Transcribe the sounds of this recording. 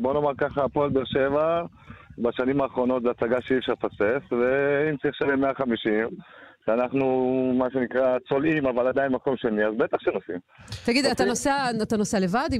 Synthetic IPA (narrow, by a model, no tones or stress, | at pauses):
bonomaʁkaχapolbeʁʃeva | baʃanimaːχʁo̞no̞t̪zeasaɡaʃeifʃaʁpasefveimt͡saʁiχʃanemeaχamiʃimʃeanaχnumaʃenikʁat͡so̞limavalad̪ainmako̞mʃeniazbet̪aχʃenosim | t̪aɡid̪at̪anoseaat̪anoseale̞vad̪i